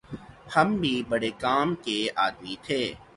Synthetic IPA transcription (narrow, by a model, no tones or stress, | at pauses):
hɐmbʱibɐɽekaːmkeaːd̪mit̪ʰeː